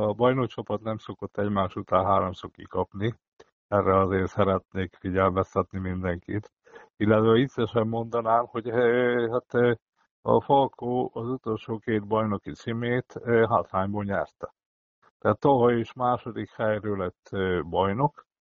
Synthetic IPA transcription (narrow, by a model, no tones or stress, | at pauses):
ɒbɒjnok̚t͡ʃɒpɒt̪nɛmsokot̪ːɛɟmaːʃut̪aːnɦaːɾomsokːḭkɒpni | ɛrːɛɒzeːrsɛɾɛt̪neːkfiɟɛlmɛst̪ɛt̪nimind̪ɛŋkit̪ | ilːɛt̪ʋɛit̪sɛʃɛmːo̞nd̪ɒnaːmho̞ɟhat̪ː | ɒ̰folkʰoːɒzut̪o̞lʃoːkeːd̪̚bɒjno̞kit̪simeːt̪ɦat̪haːɲboːɲɛrt̪ɛ̥ | t̪ɛaːt̪ːoɦɒeːʃmaːʃo̞d̪ikhɛjrøːlɛt̪ːbɒjno̞k